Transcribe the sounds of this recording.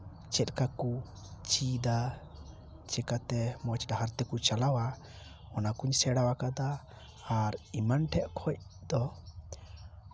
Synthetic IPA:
t͡ʃɛt̪̚ˀkaku | t͡ʃid̪a | t͡ʃɛkat̪ɛmɔt͡ʃɖaɦaɾt̪ɛkut͡ʃalawa | ɔnakuɲsɛɽawakad̪aː | ɾimanʈʰɛʔkʰɔc̚d̪̥ɔ

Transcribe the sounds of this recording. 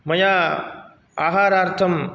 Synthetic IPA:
mɐjaː | aːɦaːɾaːɾt̪ʰɐm

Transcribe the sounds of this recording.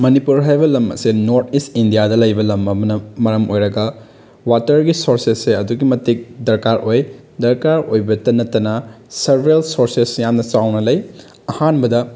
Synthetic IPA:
mɐnipuɾɦajbɐlɐmɐ̰senoɾtʰistindijadɐlɐjbɐlɐmɐmɐnɐmɐɾɐmʔojɾɐɡɐ | watɐɾɡisoɾsesːeɐduɡimɐtik̚dɐɾkaɾʔoj | dɐɾkaɾojbɐtɐnɐtːɐnɐ | sɐɾbɾelsoɾsesjamnɐt͡ʃawnɐlɐj | ɐhanbɐdɐ

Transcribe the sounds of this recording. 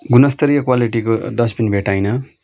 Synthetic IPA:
ɡunʌst̪ʌɾijʌkwaliʈikod̪ʌsbinbʱeʈajnʌ

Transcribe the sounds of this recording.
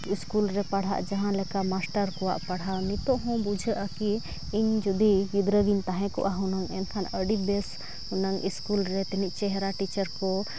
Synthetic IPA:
iskulɾɛpaɽ̤ɦa̰ʔd͡ʒaɦãlɛkamasʈəɾkɔwa̰ʔpaɽ̤ɦawnit̪ɔɦɔ̃bud͡ʒʱəʔaki | iɲd͡ʒud̪iɡid̪ɾəɡint̪aɦɛ̃kɔ̰ʔaɦunaŋɛnkʰanəɖibɛs | hunaŋiskulɾɛt̪iniʔt͡ʃɛɦɾaʈit͡ʃəɾkɔ

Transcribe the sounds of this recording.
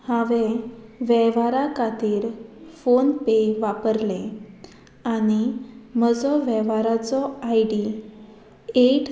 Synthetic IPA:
hãʋeʋɛʋaɾakat̪iːɾfonpeʋapəɾlẽ | anim̤əd͡zɔʋɛʋaɾat͡sɔajɖi | eʈ

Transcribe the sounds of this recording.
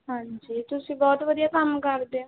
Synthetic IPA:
ɦãːd͡ʒiːt̪ʊsĩbɔːt̪ʋəd̪ijakɐmkəɾd̪eõ

